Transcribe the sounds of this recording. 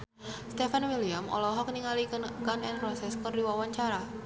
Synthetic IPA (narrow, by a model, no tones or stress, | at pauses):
st̪ɛfanwiliamʔɔ̰lɔɦɔk̚niŋaliɡanɛnpɾɔsɛskərdiwawaɲt͡ʃaɾa